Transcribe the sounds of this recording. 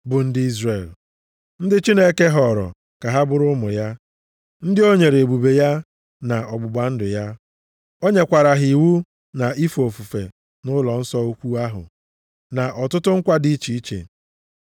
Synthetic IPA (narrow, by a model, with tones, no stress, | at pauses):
bʊ˨n̩˦dɪ˦i˦zre˨l | n̩˦dɪ˦t͡ʃi˦ne˦ke˦ɦɔ˨ɾɔ̰˨ | ka˨ɦa˦bʊ˦ɾʊ˦mʊ˨ja˦ | n̩˦dɪ˦o˦ɲe˨ɾe˨bu˨be˨ja˦ | na˨ɔ˨ɡ͡bʊ˨ɡ͡ba˨n̩˦dʊ˨ja˦ | o˦ɲe˦kʷa˨ɾa˨ɦi˨wu˦ | na˨i˦fo˨fu˨fḛ˨ | nʊ˦lɔ˨n̩˦sɔ˦o˦kʷu˦a˦ɦʊ̰˨ | na˨ʔɔ˨tʊ˦tʊ˦ŋ̩˦kʷa˦di˦t͡ʃi˨i˦t͡ʃḛ˨